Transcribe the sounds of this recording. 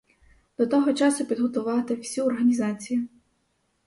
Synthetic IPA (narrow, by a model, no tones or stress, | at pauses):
d̪̥ɔt̪ɔɦɔt͡ʃɑsʊpʲid̪ɦɔt̪ʊʋɑt̪ɪwsʲiɔrɦɐnʲizɑt͡sʲiji